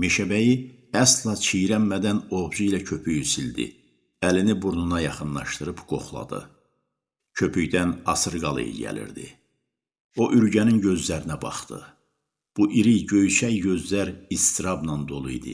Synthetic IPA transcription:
meʃæbæjiæslˠɑt͡ʃʰijɾæmmæd̪æno̞vd͡ʒuilæcʰø̞pʰyjysild̪ḭ | ælinibuɾnunɑjɑχɯnlˠɑ̰ʃt̪ɯɾɯbɡ̥o̞̰χlˠɑ̰d̪ɯ̰ | cʰø̞pʰyjd̪ænɑsɯɾɡɑlˠɯ̰jɟæ̰lḭɾd̪ḭ | o̞ʔyɾɟæninɟø̞zlæɾinæbɑ̰χt̪ɯ̰ | b̥uʔiɾiɟøjysæjɟø̞zlæɾist̪iɾɑbnɑnd̪o̞lˠujd̪ɯ̰

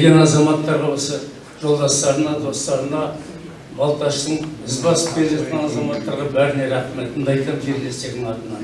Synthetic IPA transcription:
ɡʲe̞nɑzɑmɑt̪ːɑɾʁɑwosə | ʒo̞lˠd̪ɑst̪ɑɾənɑd̪o̞st̪ɑɾənɑ | bɑlˠt̪ɑʃt̪əɴbɪzbɑsə̥p̚kʲeɾʒɑt̪̚kʲenɑzɑmɑt̪ːɑɾʁɑbæɾneɾæqmelt̪ʰənd̪ɑjt̪əʒeɾle̞st̪e̞ɡʲd̪ɪŋɑt̪ənɑ

